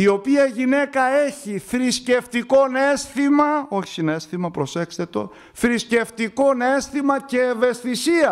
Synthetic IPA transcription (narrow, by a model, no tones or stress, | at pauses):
io̞piɐʝine̞kɐe̞çifɾisce̞ft̪iko̞nesθimɐo̞ç̥inesθimɐpɾo̞se̞kse̞t̪o̞̰ | fɾisce̞ft̪iko̞ne̞st̪imɐce̞ːve̞st̪isiɐ